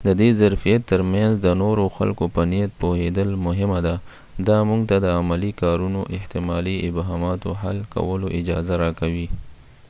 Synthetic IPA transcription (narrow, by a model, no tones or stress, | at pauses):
d̪əd̪ezaɾfijat̪ːəɾmjanzd̪ənoɾoxa̰lkopənijat̪̚pohed̪əlmʊɦɪmad̪a | d̪ɑmuŋɡt̪ad̪əamalikɑɾunoʔɪht̪ɪmɑliɪbɦɑmɑt̪o̰ɦalka̰wəloʔɪd͡ʒɑzaɾɑkawi